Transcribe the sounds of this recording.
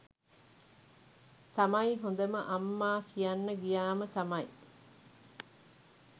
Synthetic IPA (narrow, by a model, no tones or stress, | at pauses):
t̪ɐmɐiɦond̪ɐmɐʔɐmːaːkʰijanːɐɡijaːmət̪ɐmɐi